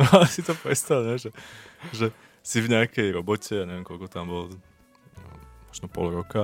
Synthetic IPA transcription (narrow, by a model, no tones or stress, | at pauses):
asit̪ɔpɾɛt̪st̪alɲɛʒɛʒɛ | sivɲɛakɛjɾɔbɔcɛjaɲɛʋɛmkɔlkɔt̪ambɔl | mɔʒnɔpɔ̰lɾɔka